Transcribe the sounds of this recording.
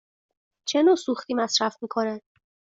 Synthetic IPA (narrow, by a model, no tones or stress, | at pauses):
t͡ʃʰenoːsuxt̪iːmæsɾæfmiːkʰo̞ne